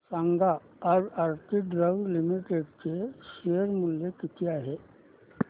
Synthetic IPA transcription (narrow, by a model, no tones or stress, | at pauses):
sãŋɡa | ɔɾaɾtɪɖɾəɡlɪmiʈeɖkeʃeəɾmʊljekɪt̪jaɦɛː